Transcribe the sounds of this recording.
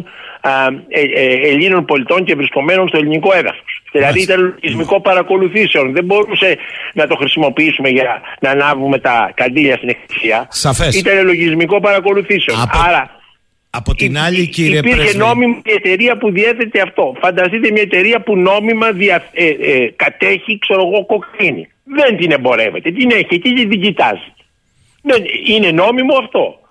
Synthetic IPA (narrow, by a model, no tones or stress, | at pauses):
eʎino̞npo̞lit̪o̞ɲcevɾisko̞me̞no̞nst̪oʎiniko̞e̞ðɐ̰fo̥sðilɐðiit̪ɐneloʝizmiko̞pɐɾɐko̞luθise̞o̞nðe̞mbo̞ɾuse̞nɐt̪o̞xɾisimo̞piisume̞ʝɐnɐnɐvume̞t̪ɐkɐnd̪iʎɐst̪inekθi̥siɐsɐfesit̪ɐne̞lo̞ʝizmiko̞pɐɾɐko̞luθise̞o̞ɐɾɐ | ɐponʎiiipiɾçeno̞mimt̪ie̞t̪e̞ɾiɐpuðie̞θe̞t̪e̞ɐft̪o̞fɐnd̪ɐst̪it̪emɲɐe̞t̪e̞ɾiɐpuno̞mimɐðiɐθekɐt̪e̞çikse̞ɾo̞ɣo̞ko̞kinḭ | ðe̞nt̪ine̞mbo̞ɾe̞̰ve̞t̪e̞t̪ine̞çiet̪it̪iðiɟit̪ɐ̰zi̥ | neine̞no̞mimo̞ɐft̪o̞